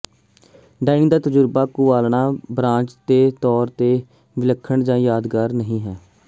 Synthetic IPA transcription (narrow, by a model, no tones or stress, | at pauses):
ɖaːɪnɪ̃ːd̪aːt̪əd͡ʒʊɾbaːkʊʋaːlɳaːbɾãːt͡ʃd̪eːt̪ɔːɾt̪eː | ʋɪləkʰːəɳd͡ʒãːjaːd̪ɡaːɾnəɦĩːɦɛː